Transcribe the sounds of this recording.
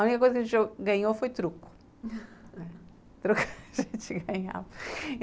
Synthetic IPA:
unikɐkojzɐkɐʒẽt̪ʒoɣɡɐɲofojt̪ɾuku̥ | ɛ | t̪ɾukʒẽnt̪ɡɐɲa̰vɐ

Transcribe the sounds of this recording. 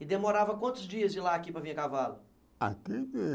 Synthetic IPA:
ɪd̪emoɾavɐkwɐ̃nt̪ʊzd͡ʒiɐzd͡ʒɪlaːkipɾɐvĩɐkavalʊ | a̰t̪ee

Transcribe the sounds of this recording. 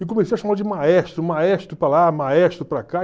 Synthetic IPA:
ɪkomesejɐʃamad̪d͡ʒɪmaɛʃt̪ɾʊmaɛʃt̪ɾʊpɾalamaɛst̪ɾʊpɾaka

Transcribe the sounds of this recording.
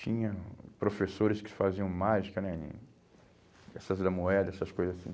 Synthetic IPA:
t͡ʃĩɲɐpɾofesoɾɪskɪ̥faziɐ̃w̃maʒikɐnɛḭ̃ | ɛsɐzd̪ɐmuɛd̪ɐɛsɐskojzɐzasḭ̃

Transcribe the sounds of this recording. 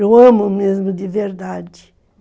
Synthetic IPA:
ewɐ̃mumezmʊd̪ɪveɾd̪ad͡ʒɪ̥

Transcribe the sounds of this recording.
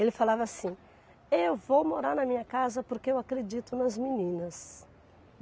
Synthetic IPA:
elɪfalavɐsĩ | ewvowmoɾaɾnɐmĩɲɐkazɐpoɾkeewakɾed͡ʒit̪ʊnɐzminĩnɐs

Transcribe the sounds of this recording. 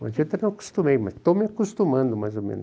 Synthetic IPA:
mɐ̰d͡ʒit̪ɐnɐ̃w̃ku̥st̪umejmɐ̰st̪omɪakust̪umɐ̃nd̪ʊmajzomḛ̃nʊ

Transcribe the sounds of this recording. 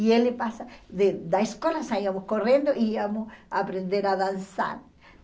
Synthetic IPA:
ielɪpasaðed̪aeskolɐsaiɐmʊskorẽnd̪oʔiiamʊsapɾend̪eɾaðansa̰ɾ

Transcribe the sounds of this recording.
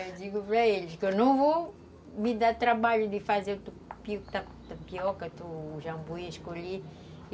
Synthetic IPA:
ed̪iɡupɾɐeliʃkenɐ̃w̃vo | mid̪at̪ɾɐbaʎud̪ifazet̪upiukt̪a | t̪ɐpiɔkɐt̪uʒɐ̃boiɐʃkoʎe

